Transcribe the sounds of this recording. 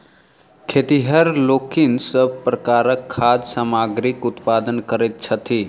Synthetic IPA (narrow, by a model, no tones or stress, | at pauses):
kʰet̪iɦəɾlokinsəb̚ʱpɾəkaɾəkʰːad͡ʒ̪samaɡɾikut̪pad̪ənkəɾɛt̪̚t͡ʃʰət̪ʰi